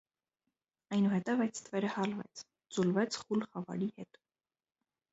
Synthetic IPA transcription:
ɑjnuhɛt̪ɛvɑjt̪ʰt̪ʰvɛɾəhɑlvɛ̰t͡sʰ | d͡zulvɛt͡sʰχulχɑvɑ̰ɾihɛt̪

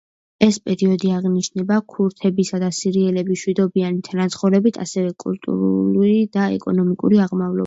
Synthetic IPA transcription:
ɛspʼɛɾiɔd̪iaʁniʃnɛbakʰuɾt̪ʰɛbisad̪asiɾiɛlɛbiʃwid̪ɔbianit̪ʰanat̪sʰχɔɾɛbit̪ʰa̰sɛvɛkʼṵlˠt̪ʼṵɾululid̪aɛ̰kʼɔnɔmikʼṵɾiaʁmavlɔ̰

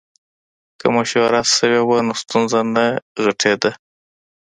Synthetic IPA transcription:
kəmoʃoaɾasəwewanost̪unzanaɣəʈʰed̪a

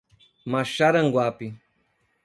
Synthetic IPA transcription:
maʃaɾaŋɡwapi

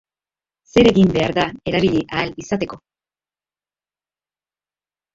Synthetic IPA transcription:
se̞ɾe̞ɣimbe̞aɾðae̞ɾaβiʎiʔaːlisat̪e̞ko̞

